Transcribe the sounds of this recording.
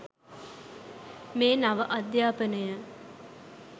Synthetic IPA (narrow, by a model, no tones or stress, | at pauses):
meːnaʋəʔɐd̪jaːpənəjə